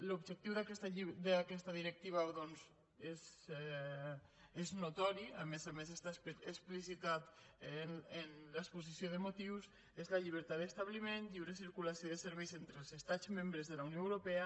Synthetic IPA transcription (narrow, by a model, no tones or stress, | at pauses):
lubʒək̚t̪iwðakɛst̪aʎid̪əakɛst̪aðiɾek̚t̪iβ̞aðɔnz | ez | eznut̪ɔɾiamezamesest̪asesplisit̪at̪enenlaespuzisjoðəmot̪iws | ezlaʎiβ̞əɾt̪at̪d̪əst̪aβlimẽnʎiwɾesiɾkulasioðəseɾβɛjzent̪ɾəlˠzest̪ad̪d͡zmẽmbɾəzðəlaunijoewɾopɛa